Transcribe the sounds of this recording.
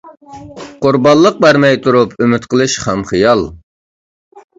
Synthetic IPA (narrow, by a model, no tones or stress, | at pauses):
qʊɾbɑllˠːəq̚bæɾmɛjt̪ʰuɾupʰymyt̪qəlˠɨʃχæmχɨjɑlˠ